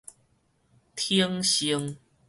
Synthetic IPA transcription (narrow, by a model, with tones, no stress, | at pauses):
t̪ʰi˦əŋɕi˧˦ŋ